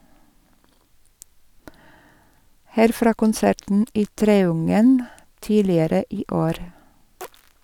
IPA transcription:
ˈhæːɾ ˈfɾɑː kʊnˈsæʈn̩ ˈiː ˈtɾeːʊŋən ˈtiːlɪəɾə ˈiː ˈoːɾ

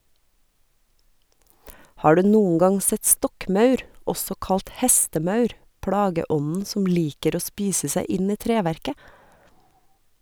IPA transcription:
ˈhɑː ˈɖʉː ˈnuːən ˈɡɑŋ ˈsɛt ˈstɔkˌmɑʉɾ ˈɔsɔ ˈkɑlt ˈhɛstəˌmɑʉɾ ˈpɽɑːɡəˌʔɔnn̩ ˈsɔm ˈliːkəɾ ˈoː ˈspiːsə ˈsæɪ ˈɪn ˈiː ˈtɾeːʋæɾkə

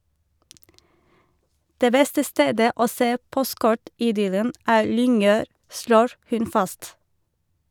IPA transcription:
ˈdeː ˈbɛstə ˈsteːdə ˈoː ˈseː ˈpɔstˌkɔʈɪˌdʏlən ˈæːɾ ˈlʏŋˌøːɾ ˈsloːɹ ˈhʉn ˈfɑst

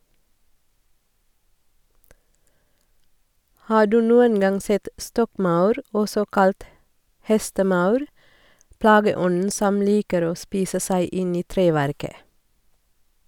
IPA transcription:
ˈhɑː ˈɖʉː ˈnuːən ˈɡɑŋ ˈsɛt ˈstɔkˌmɑʉɾ ˈɔsɔ ˈkɑlt ˈhɛstəˌmɑʉɾ ˈplɑːɡəˌɔnn̩ ˈsɔm ˈliːkəɾ ˈoː ˈspiːsə ˈsæɪ ˈʔɪn ˈiː ˈtɾeːʋæɾkə

